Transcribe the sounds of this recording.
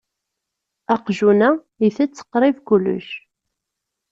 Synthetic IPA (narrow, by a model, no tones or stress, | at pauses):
ɑqʒunæ | jiθæt͡sːə̥qɾˤɪvkulːʊ̰ʃ